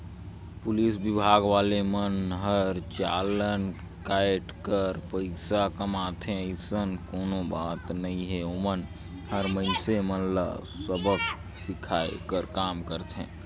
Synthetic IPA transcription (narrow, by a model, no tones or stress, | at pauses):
pʊlisbɪbʱaːɡʋaːlemənɦəɾt͡ʃa̰ːlən | kaːeʈkəɾpəɪsakəmaːt̪ʰẽəɪsənkoːnobaːt̪nəĩɦɛomən | ɦəɾməɪnsemənla̰ | səbək | sɪkʰaːḛkəɾkaːmkəɾt̪ʰḛ̃ː